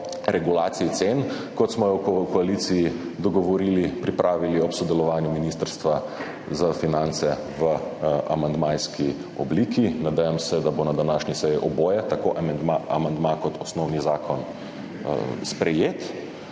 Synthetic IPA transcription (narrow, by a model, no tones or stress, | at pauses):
ɾɛɡulaːt̪siit̪sen | kɔt̪smɔjɔwkkɔalisijid̪ɔɡɔʋɔɾiːlipɾipɾʔaːʋiliɔpsɔd̪ɛlɔʋaːnjuminist̪əɾst̪ʋa | zafinant̪sɛ | ʋəa̰mand̪majski | ɔbliːkinad̪ɛjamsɛd̪abonad̪anaːʃnisɛjiʔɔboːjɛt̪akoːʔaaa̰mand̪makɔt̪ɔsnɔwnizaːkʰɔn | spɾɛjeːt̪